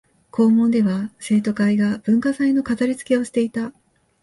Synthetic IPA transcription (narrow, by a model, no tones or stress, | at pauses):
kʰo̞ːmõ̞nd̪e̞βase̞ːt̪o̞kaiɡab̥ɯ̟̃ŋkasaino̞kataɾʲit͡sɨ̥ke̞o̞ɕi̥t̪e̞it̪a